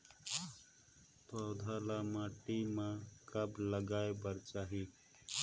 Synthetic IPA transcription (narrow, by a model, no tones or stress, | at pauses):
t̪əwd̪ʱaːlaːmãːʈimãkəbləɡaːebəɾt͡ʃaːɦiː